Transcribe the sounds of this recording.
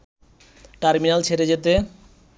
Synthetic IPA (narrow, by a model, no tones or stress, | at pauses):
ʈaɾminalt͡ɕʰeɾed͡ʑet̪e